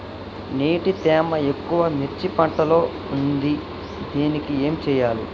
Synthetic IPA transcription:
neːʈit̪ɛːmɐe̞kːuʋɐmiɾt͡ʃːipɐɳʈɐlo̞ː | und̪i | d̪eːnikie̞ːmt͡ʃɛːjaːlḭ

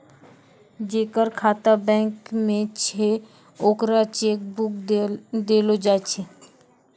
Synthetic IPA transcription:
d͡ʒeːkəɾkʰaːt̪abɛ̃ːkmẽt͡ʃʰe | oːkɾat͡ʃeːk̚bʊk̪d̪eːlod͡ʒaːt͡ʃʰe

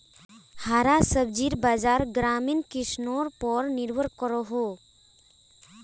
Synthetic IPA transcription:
haɾasəb̚d͡ʒiɾbaːd͡ʒaːɾɡɾaminkisnoɾpɔɾniɾwəɾkɔɾɔɦo

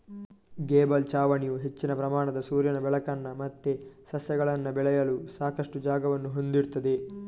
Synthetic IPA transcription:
ɡeːbɐlt͡ʃaːʋɐɳijuɦe̞t͡ʃːinɐpɾɐmaːɳɐd̪ɐsuːɾjɐnɐbɛɭɐkɐnːɐmɐt̪ːesɐsjɐɡɐɭɐnːɐbɛɭɛjɐlusaːkɐʂʈud͡ʒaːɡɐʋɐnːuɦond̪iɾt̪ɐd̪e̞

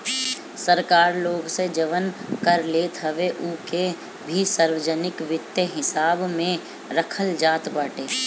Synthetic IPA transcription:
səɾkaːɾloːɡsed͡ʒəʋənkəɾleːt̪ʰɦəʋeʔuːke | bʱisəɾwəd͡ʒənɪkʋɪt̪jəɦɪsaːbmẽ | ɾəkʰəld͡ʒaːt̪baːʈeː

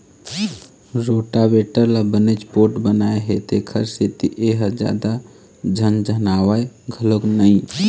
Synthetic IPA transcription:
ɾoːʈabeʈəɾlabənet͡ʃpoɾʈbənaːeɦet̪ekʰəɾset̪iʔeɦəd͡ʒa̰ːd̪a | d͡ʒʱənd͡ʒənaːwaɡʱəloknəĩ

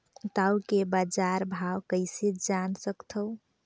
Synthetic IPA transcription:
t̪awkebad͡ʒaɾbʱawkəɪsed͡ʒansəkt̪ʰəʊ

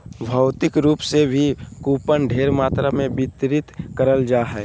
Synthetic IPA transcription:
bʱəʊt̪ɪkɾuːpsebʱikuːpənɖʱeːɾmaːt̪ɾamẽbɪt̪ɾɪt̪kəɾəld͡ʒaːɦɛː

